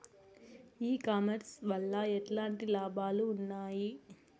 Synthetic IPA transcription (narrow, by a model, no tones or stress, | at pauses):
iːkaːmɐɾsʋɐɭːɐɛʈlaːɳʈilaːbʱaːluːnːaːji